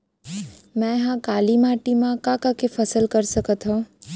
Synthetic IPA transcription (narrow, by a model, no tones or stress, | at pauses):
mɛ̃ɦãkaːlimaːʈimãkãkakefʰəsəlkəɾsəkət̪ɦõ